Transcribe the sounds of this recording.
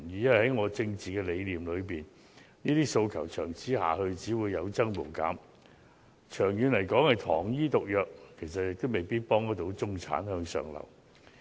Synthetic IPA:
jiː˨˧jɐ˥nwjhɐ˨˥jŋɔː˨˧t͡sɪ˧ŋt͡siː˨kɛː˧le˨˧jliː˨˩mlɵ˨˧ɥpiː˨˩n | niː˥t̪iː˥so˧wkʰɐ˨˩wt͡ʃʰœː˨˩ŋt͡siː˨˥ha̰ː˨hɵ˧ɥt͡siː˨˥wuː˨˧jːɐ˨˧wt͡sɐ˥ŋmo˨˩wka̰ː˨˥m | t͡ʃʰœː˨˩ŋjyː˨˧nlɐ˨˩jkɔː˨˥ŋhɐ˨jt̪ʰɔ̰ː˨˩ŋjiː˥t̪ʊ˨k̚jœː˨k̚kʰːe˨˩js̬ɐ˨t̚jɪ˨k̚t̪o˥wme˨˩jpiː˥t̚pɔː˥ŋj̪ɐ˥t̪o˨˧˥wt͡sʊ˥ŋt͡sʰa̰ː˨˥nhœː˧ŋsœ̰ː˨˩ŋlɐ̰˨˩w

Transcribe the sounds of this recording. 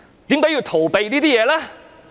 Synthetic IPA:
t̪i˨˥˦ŋkɔ˨˥jiː˧wt̪ʰo˨˩wp̪e˨˧jt̪iː˦˥t̪ʰiː˦˥jɛː˨˧laː˦˥

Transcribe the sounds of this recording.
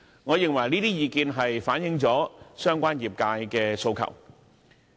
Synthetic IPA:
ŋɔː˨˧jɪ˨ŋwɐ˨˩jniː˥t̪iː˥jiː˨˧kiː˧nɦɐ˨jfaː˨˥njɪ˨˧ŋt͡sɔː˨˥sœː˥ŋkʷaː˥njiː˨˩p̚kaː˧jkɛː˧so˧wkʰɐ̰˨˩w

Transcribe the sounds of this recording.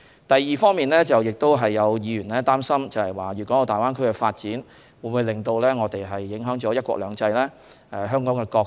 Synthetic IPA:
t̪ɐ˨jːiː˨˩fɔː˥ŋmiː˨nlɛː˥t͡sɐ˨wjɪ˨k̚t̪o˥wɦɐ˨jːɐ˨˧wjiː˨˧ɥyː˨˩nlɛː˥t̪aː˥msɐ˥mt͡sɐ˨hɐ˨˩jwaː˨ɥy˨˩kʷɔ˨˦˥t̪aː˨jwaː˥nkʰɵ˥ɥkɛ˧faː˧t̚t͡siː˨˥n | wuː˨˧˥nmu˨˧jlɪ˨ŋt̪o˧wlɛː˥ŋɔː˨˧t̪e˨jɦɐ˨jːɪ˨˥ŋɦœː˨˥ŋt͡ʃɔː˨˥jɐ˥t̚kʷɔ̰ː˧k̚lœ̰ː˨˧ŋt͡sɐ˧jlɛː˥ | ɛ˨˧ɦœː˥ŋkɔː˨˥ŋkɛ˧kɔː˧

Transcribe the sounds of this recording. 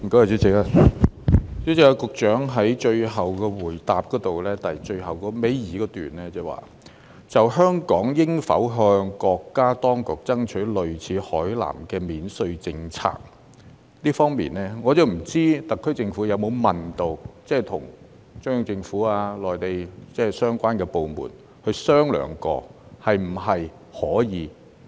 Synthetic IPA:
m̩˨˩ko˧˥wa˨˩t͡sy˨˥t͡sɪ˨ka˧ | t͡sy˨˥t͡sɪ˨k̚a˧kʊ˨k̚t͡ʃœː˨˥ŋɦɐ˨˥jt͡ʃɵ˧ɥɦɐ˨wkɔː˧wuː˨˩jt̪aː˨p̚kɔː˨˥t̪o˨wlɛː˥t̪ɐ˨˩jt͡ʃɵ˧ɥɦɐ˨wkɔː˧me˨˥jjiː˨˧˥kɔː˧˥t̪yː˨nɛː˥t͡sɛː˥˩wa̰ː˨ | t͡sɐ˨˩wɦœː˥ŋkɔː˨˥ŋjɪ˥ŋfɐ̰˨˥wɦœː˧ŋkɔː˧kːaː˥t̪ɔː˥ŋkʊ˨k̚t͡sɐ˥ŋt͡ʃʰɵ˨˥lɵ˨ɥt͡sʰiː˨˥hɔ̰ː˨˥jla̰ː˨˩mkɛː˧miː˨˧nsɵ˧ɥt͡sɪ˧ŋt͡sʰa̰ː˧k̚ | t̪iː˥fɔː˥ŋmḭː˨nːɛː˥ŋɔː˨˧t͡sɐ˨wm̩˨˩t͡siː˥t̪ɐ˨kʰːɵ˥ɥt͡sɪ˧ŋfuː˨˥jɐ˨˧wmo˨˧wmɐ˨nt̪o˨wt͡sɛː˥˩t̪ʰʊ̰˨˩ŋ | t͡sʊ˥ŋjʊ˨˧ŋt͡sɪ˧ŋfuː˨˥aː˧lɔː˨jt̪e˨jt͡sɛː˥˩sœː˥ŋkʷaː˥nkɛː˧po˨wmṵː˨˩n | hɵ˧ɥsœː˥ŋlœ̰ː˨˩ŋkɔ̰ː˧ | hɐ˨jm̩˨˩ɦɐ˨j | hɔː˨˥jiː˨˧

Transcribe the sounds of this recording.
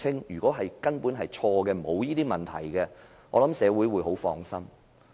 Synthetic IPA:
ɪ˥ŋjyː˨kɔː˨˥ɦɐ˨jkɐ˥npuː˨˥nɦɐ˨jt͡ʃʰɔː˧kɛː˧mo˨˧wjiː˥t̪iː˥mɐ˨˩nt̪ʰɐ̰˨˩jkɛ˧ | ŋɔː˨˧lɐ˨˥msɛː˨˧wu˨˥jwu˨˧jɦo˨˥wfɔː˧ŋsɐ˥m

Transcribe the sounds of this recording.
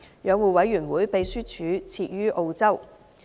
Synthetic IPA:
jœː˨˧ŋwuː˨˩wɐ˨˥jɥyː˨˩nwuː˨˥jpe˨˧jsyː˥t͡ʃʰyː˨˧t͡sʰiː˧t̚jyː˥ʔo˧wt͡sɐ˥w

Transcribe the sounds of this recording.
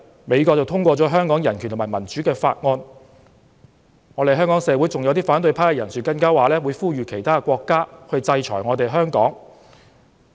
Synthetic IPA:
me˨˧jkɔ˧k̚t͡sɐ˨wt̪ʰʊ˥ŋkʷɔː˧t͡sɔː˨˥ɦœː˥ŋkɔː˨˥ŋjɐ˨˩nkʰy˨˩nʰ˨˩mː˨˩mɐ˨˩nt͡ʃyː˨˥kɛː˧fa̰ː˧t̚ŋɔː˧n | ŋɔː˨˧t̪e˨˩jɦœ˥ŋkɔː˨˥ŋsɛː˨˧wu˨˥jt͡sʊ˨ŋjwt̪iː˥faː˨˥nt̪̬ɵ˧jpʰaː˥kɛ˧jɐ˨˩nsyː˨kɐ˧nkaː˥waː˨lɛː˥wuː˨˧jfuː˥˩ɥyː˨kʰe˨˩jt̪ʰaː˥˧kʷɔː˧kːaː˥hɵ˧ɥt͡sɐ˧jt͡ʃʰɔ̰ː˨˩jŋɔː˨˧t̪e˨jɦœː˥ŋkɔː˨˥ŋ

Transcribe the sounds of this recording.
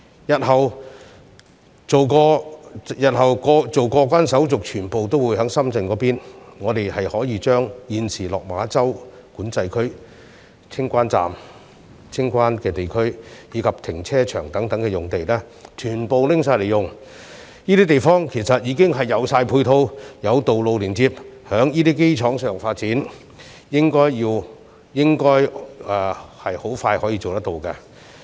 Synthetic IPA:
jɐ˨t̚hɐ˨w | t͡so˨wkɔː˧jɐ˨t̚hɐ˨wkɔː˧t͡so˨wkɔː˧kʷaː˥nsɐ˨˥wt͡sʊ˨k̚t͡ʃʰyː˨˩npo˨wt̪o˥wu˨˧˥jhœ˨˥ŋsɐ˥mt͡sɪ˧ŋkɔː˨˧˥piː˥nŋɔː˨˧t̪e˨jhɐ˨jhɔː˨˥jiː˨˧t͡ʃœː˥ŋjiː˨˧nsiː˨˩lɔː˨k̚maː˨˧˥t͡sɐ˥w | kuː˨˥nt͡sɐ˧jkʰɵ˥ɥ | t͡sʰɪ˥ŋkʷaː˥nt͡sa̰ː˨m | t͡sʰɪ˥ŋkʷaː˥nkɛː˧t̪e˨˩jkʰɵ˥ɥjiː˨˧kʰɐ˨p̚t̪ʰɪ˨˩ŋt͡sʰɛː˥t͡ʃʰœː˨˩ŋt̪ɐ˨˥ŋt̪ɐ˨˥ŋkɛː˧jʊ˨˩ŋt̪e˨jlɛː˥ | t͡ʃʰyː˨˩npo˨wlɪ˥ŋsaː˧le˨jʊ˨ŋ | jiː˥iː˥t̪e˨jfɔː˥ŋkʰe˨˩sɐ˨t̚jiː˨˧kɪ˥ŋɦɐ˨jːɐ˨˧wsaː˧jpʰu˧jt̪ʰo˧wjɐ˨˧wt̪o˨wlo˨˧wliː˨˩nt͡siː˧p̚hœː˨˥ŋjiː˥t̪iː˥ke˥jt͡ʃʰɔː˨˥ŋsœː˨ŋfaː˧t̚t͡siː˨˥n | jɪ˥ŋkɔː˥jjiː˧w | jɪ˥ŋkɔː˥jɛː˨˧hɐ˨jho˨˥wfaː˧jhɔː˨˥jiː˧t͡so˨wt̪ɐ˥t̪o˨wkɐ˧

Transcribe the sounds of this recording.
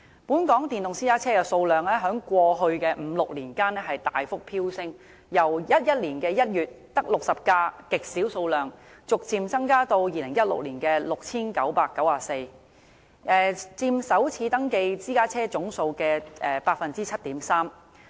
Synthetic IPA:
puː˨˥nkɔː˨˥ŋt̪iː˨˩nt̪ʊ˨ŋsiː˥kaː˥t͡sʰɛː˥kɛ˧so˧wlœː˨˩ŋlɛː˥ɦœː˨˥ŋkʷɔː˧ɦɵ˧ɥkɛː˧m̩˨˧˥lʊ˨k̚liː˨˩nkaː˥nɛ˥ɦɐ˨jt̪aː˨jfʊ˥k̚pʰiː˥wsɪ˥ŋ | jɐ˨˩wjɐ˥t̚jɐ˥t̚liː˨˩nkɛː˧jɐ˥t̚jyː˨t̚t̪ɐ˥k̚lʊ˨k̚sɐ˨p̚kaː˧kɪ˨k̚siː˨˥wso˧wlœː˨ŋ | t͡sʊ˨k̚t͡siː˨˧mt͡sɐ˥ŋkaː˥t̪o˧wjiː˨˩lɪ˨˩ŋjɐ˥t̚lʊ̰˨k̚liː˨˩nkɛː˧lʊ˨k̚t͡sʰiː˥nkɐ˨˥wpaː˧kːɐ˨˥waː˨˧se˧j | ʔɛː˨t͡siː˧msɐ˨˥wt͡sʰiː˨˧t̪ɐ˥ŋke˧jt͡siː˥kaː˥t͡sʰɛː˥t͡sʊ˨˥ŋso˧wkɛː˧ʔɛː˨paː˧k̚fɐ˨nt͡siː˥t͡sʰɐ˥t̚t̪iː˨˥msaː˥m

